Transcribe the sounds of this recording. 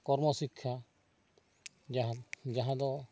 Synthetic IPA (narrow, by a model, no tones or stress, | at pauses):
kɔɾmɔsikʰːja | d͡ʒaɦãd̪ɔ